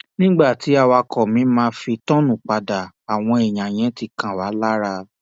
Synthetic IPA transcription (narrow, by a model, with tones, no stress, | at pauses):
nĩ˦ɡ͡ba˦˨ti˨˦a˦˧wa˧kʰɔ˨mĩ˨˦mãː˦fi˧tɔ̃˦nũ˦˨k͡pa˨da˨ | a˨w̃ɔ̃˧e˨j̃ã˨j̃ɛ̃˨˦ti˧kã˨wa˨˦la˦ɾa˧